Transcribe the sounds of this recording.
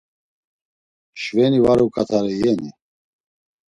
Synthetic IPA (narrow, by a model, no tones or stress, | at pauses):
ʃvɛnivaɾukʼat̪ʰaɾɛjɛni